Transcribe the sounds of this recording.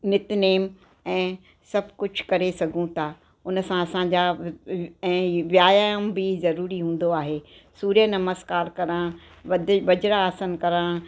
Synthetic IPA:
nɪt̪neːm | ɛ̃ː | sɐbʱkʊd͡ʑʱkɐɾesɐɡʱũt̪ʰaː | ʊn̆sãɐsãɲd͡ʑa | ɛ̃ːʋjaːjaːjʊmbɪzɐɾuːɾiɦũːn̆d̪oaːɦeː | suːɾjənɐməskaːɾkɐɾã | ʋɐd̪ʋɐd͡ʑɾaːsənkɐɾãː

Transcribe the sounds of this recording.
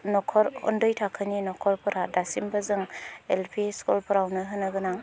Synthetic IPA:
nɔkʰɔɾɔ̰ndɔjtʰakʰɯninɔkʰɔɾpʰɯɾadasimbazɯŋelpʰiskulpʰɯɾawnɯɦɯnɯɡɯnaŋ

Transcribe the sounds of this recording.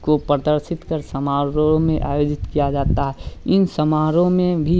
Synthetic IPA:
kopɾəd̪əɾʃɪt̪kəɾsɐmaːɾomẽʔa̰ːjoːd͡ʒɪt̪kijad͡ʒaːt̪aɦɛɪnsəmaːɾõmẽbʱi

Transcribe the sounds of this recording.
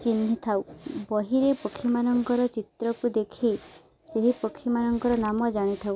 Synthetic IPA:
t͡ʃin̤ːit̪ʰawbɔɦiɾepɔkʰːimanɔŋkɔɾɔt͡ʃit̪ɾɔkud̪ekʰi | seɦipɔkʰːimanɔŋkɔɾɔnamɔd͡ʒaɽ̃it̪ʰaw

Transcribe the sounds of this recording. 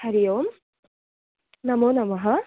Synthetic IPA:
hɐɾijoːm | nɐmoːnɐmɐɦɐ

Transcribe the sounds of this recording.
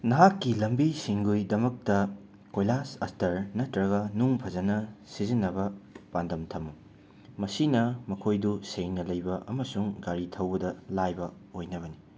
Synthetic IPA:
nɐɦakːilɐmbisiŋɡujdɐmɐk̚tɐ | kojlasɐstɐɾnɐtɾɐɡɐnuŋpʰɐd͡ʒɐnɐsizinːɐbɐpandɐmtʰɐmu | mɐsinɐmɐkʰojduseŋnɐlɐjbɐʔɐmɐsuŋɡaɾitʰɐwbɐdɐlajbɐojnɐβɐni

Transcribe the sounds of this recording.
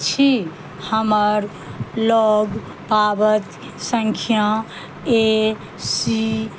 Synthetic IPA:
t͡ʃʰi | həməɾ | lɔɡ | pabət̪ | səŋkʰjã | e | si

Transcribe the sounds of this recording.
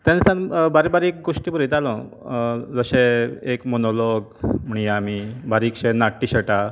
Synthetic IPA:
t̪ansãnbaɾibaɾek̚ɡoʂʈibəɾit̪alɔ̃ | d͡zəɕẽekmonolɔɡmuɳ̃iamibaɾiːkɕẽnaʈːiɕəʈa

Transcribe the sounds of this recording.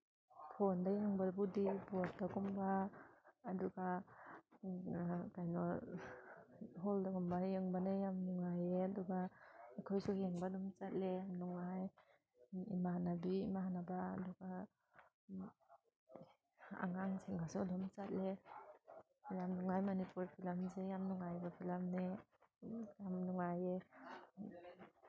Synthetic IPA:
pʰɔndajɯŋbabudibɔat̚dakɔmbaː | duɡa | kajnɔ | ɦɔldakɔmbajɯŋbanajamnɔŋajeaduɡaakʰɔjsuheŋbadɔmt͡ʃat̚lejamnɔŋaj | ḭmahanabiːmahanabaːdɔɡa | a̰ŋaŋseŋasudɔmt͡ʃat̚le | jamnɔŋajmanipuɾpʰilamzejamnɔŋajbapʰilamne | jamnuŋaje

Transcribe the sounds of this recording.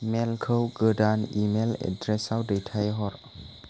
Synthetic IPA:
mɛlkʰəwɡədanimelɛ̰dɾɛsawdejtʰajɦɔɾ

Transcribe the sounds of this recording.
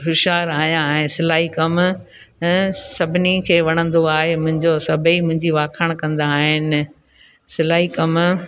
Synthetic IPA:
ɦʊʃaːɾaːɦjãɦɛ̃sɪlaːɦikɐm | sɐbʱɪnikʰeːʋɐɽ̃ə̃nd̪oaːɦemʊ̃ɦɪ̃ɲd͡ʑosɐbʱimʊ̃ɦɪ̃ɲd͡ʑiʋaːkʰəɽ̃kɐ̃nd̪aːɦɪnɪ̆ | sɪlaːɦikɐm

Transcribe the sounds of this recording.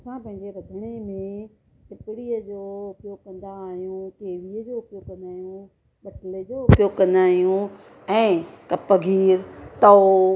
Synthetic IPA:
sãpɐ̃ɦɪ̃ɲd͡ʑebɐd̪ʱəɽ̃emẽtɪpɪɽiəd͡ʑoːʊpjoːɡ̚kɐ̃nd̪aːɦijũkeːʋiəd͡ʑoːʊpjoːɡkɐ̃nd̪aːɦijũ | ɓɐʈɪled͡ʑoːʊpjoːɡ̚kɐ̃nd̪aːɦijũ | ɛ̃ːkɐpːəɡʱiːɾt̪ɔ

